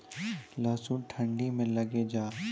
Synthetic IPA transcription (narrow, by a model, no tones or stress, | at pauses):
laːsũʈʰə̃ɳɖimẽlɐɡed͡ʒaː